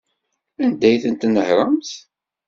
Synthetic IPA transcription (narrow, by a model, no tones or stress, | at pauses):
ænd̪æjθənt̪nəhɾˤəmθ